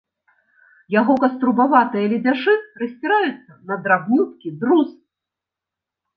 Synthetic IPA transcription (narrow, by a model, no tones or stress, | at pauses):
jaɣɔkɐst̪ɾubavat̪ɨjɐlʲid͡zʲaʂɨrɐsʲt͡sʲiɾajut̪sːɐnɐd̪ɾaɣnut̪̚kʲid̪ɾus